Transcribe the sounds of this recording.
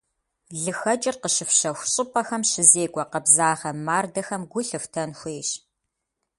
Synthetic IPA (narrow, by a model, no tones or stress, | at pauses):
ɮɨxɐt͡ʃʼɪrqəʃɨfɕɐxʷʊɕʼɪpʰʼɐxɐmʃɪzeːkʷʼɔqɐbzaːʁɐmaːrdɐxɐmɡʷʊɬɨftʰɐnxʷeːɕ